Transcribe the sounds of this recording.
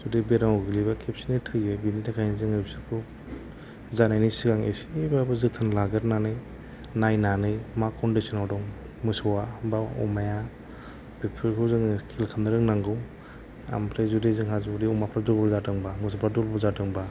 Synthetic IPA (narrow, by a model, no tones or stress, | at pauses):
zudebeɾaŋɔɡɯlibakʰepsinɯtʰɯjɯbinitʰakʰajnizɯŋɯpsɯkʰu | zanajnisiɡaŋḛsibabɯzɯk̚tʰanlaɡɯɾnanɯj | najnanɯjmakʰɔndisɔnawdɔŋ | mɯsɔwabaɔ̰maja | b̥epʰɯɾkʰɯzɯŋkʰilkʰandɯɾɯŋnaŋɡɯw | a̰mpʰɾezudezɯŋhazudiɔmapʰɾadulbɔɾzatɯŋbamɯs̬ɔpʰɾadulbɾzatɯŋba